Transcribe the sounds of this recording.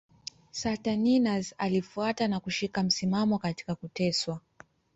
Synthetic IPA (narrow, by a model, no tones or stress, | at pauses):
sataninazalifuatanakuʃikam̩simamɔkati̥kakutɛswa